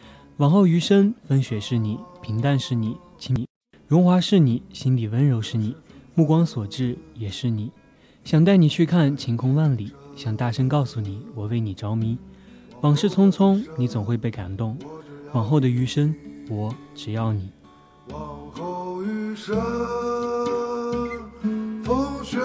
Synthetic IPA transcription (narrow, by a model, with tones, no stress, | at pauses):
wɑ˨˩ŋxo˥˩ʊy˧˥ʂə˥nfə˥nɕɥɛ˨˩ʂɻ̩˥˩ni˨˩pʰi˧˥ŋt̪a˥˧nʂɻ̩˥˩ni˨˩˦ | t͡ɕʰi˧˥ŋ˨˩˦ | ɻʊ˧˥ŋxwa˧˥ʂɻ̩˥˩ni˨˩˦ɕi˥nli˨˩wə˧˥nɻo˧˥ʊʂɻ̩˥˩ni˨˩˦mu˥˩kwɑ˥ŋswɔ˨˩ʈ͡ʂɻ̩˥˩jɛ˨˩ʂɻ̩˥˩ni˨˩˦ | ɕjɑ˨˩ŋt̪a˥˩ɪni˨˩t͡ɕʰy˥˧kʰa˥˩nt͡ɕʰi˧˥ŋkʰʊ˥ŋwa˥˩nli˨˩˦ɕjɑ˥˨˩ŋt̪a˥˩ʂə˥ŋkɑ˥˩ʊsu˨˩ni˨˩˦wɔ˨˩we˥˩ɪni˨˩ʈ͡ʂɑ˧˥ʊmi˧˥wɑ˨˩ŋʂɻ̩˥˩t͡sʰʊ˥ŋt͡sʰʊ˥ŋni˧˥t͡sʊ˨˩ŋxwe˥˧ɪpe˥˩ɪka̰˨˩nt̪ʊ˥˩ŋwɑ˨˩ŋxo˥˩ʊd̪ə˩y˧˥ʂə˥nwɔ˨˧˥ʈ͡ʂɻ̩˨˩jɑ˥˩ʊni˨˩˦